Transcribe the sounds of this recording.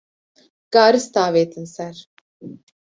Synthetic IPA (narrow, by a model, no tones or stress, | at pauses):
ɡ̥aːɾɯst̪aːvet̪ʰinsæɾ